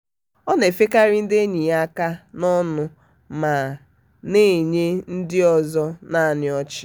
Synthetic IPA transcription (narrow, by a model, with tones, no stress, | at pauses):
ɔ˦ne˨fe˦ka˦ɾɪ˦n̩˦de˦ɲi˨a˦ka˦nɔ˦nʊ˦ | ma˨ | ne˦˨ɲe˦n̩˦dɪ˦ɔ˨zɔ˦na˦˨nɪ˨ɔ˦t͡ʃɪ̥˨